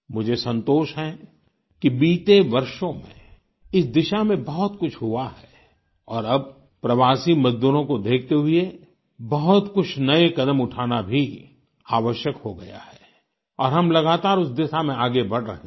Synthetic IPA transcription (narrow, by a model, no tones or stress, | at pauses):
mʊd͡ʒʱesɐ̃nt̪oːʃɦɛ̃ | kibiːt̪eʋɐɾʃõmḛ̃ | ɪsd̪ɪʃamẽbɐɦʊt̪kʊt͡ʃʰɦʊaɦɛː | ɔːɾɐb̚ | pɾɐʋaːsimɐzd̪uːɾõkod̪eːk̚ʰt̪eɦie | bɐɦʊt̪kʊt͡ʃʰnɐekɐd̪əmʊʈʰaːnabʱi | aːʋəʃjəkhoɡɐ̰ja̰hɛː | ɔːɾɦɐmlɐɡaːt̪aːɾʊsd̪ɪʃamẽaːɡebɐɽɾɐ̰ɦẽ